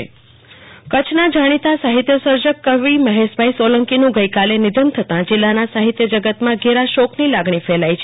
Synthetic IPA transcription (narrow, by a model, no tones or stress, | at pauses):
e | kət͡ʃʰnad͡ʒaɽ̃it̪asaɦit̪jəsəɾd͡ʒəkːəʋiməɦeʃbʱaisoləŋkinũɡəjkalenɪd̪ənt̪ʰət̪ãd͡ʒɪlːanasaɦit̪jəd͡ʒəɡət̪mãɡeɾaʃɔknilaɡɳ̃ifɛlajt͡ʃʰe